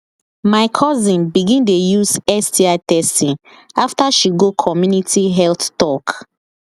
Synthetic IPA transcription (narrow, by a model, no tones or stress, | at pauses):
maɪkʰɔzĩnbiɡĩndejuzɛstiatɛstĩn | aftaʃiɡokʰɔmjunitʰiɦɛlttɔk